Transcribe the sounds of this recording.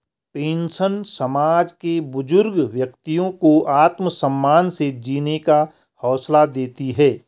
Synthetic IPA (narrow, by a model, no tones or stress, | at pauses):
pẽːnsənsəmaːd͡ʒkebʊd͡ʒʊɾɡʋjɐkt̪ijõkoʔaːt̪məsə̃mːaːnsed͡ʒiːneka | hɔːslad̪eːt̪iɦɛː